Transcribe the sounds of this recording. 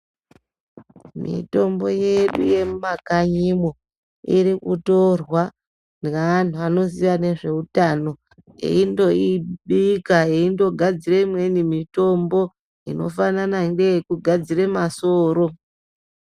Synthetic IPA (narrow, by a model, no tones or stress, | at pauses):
mḭto̞mbo̞je̞ɗṵje̞makaɲimo | iɾikuto̞rwa | nan̤uano̞ziʋane̞ʐe̞utano̞ | ḛindo̞iɓikaeindo̞ɡʱad͡zireimwe̞nimito̞mbo̞ | ino̞̰fananaindejekuɡʱad͡ziremasoːɾo̞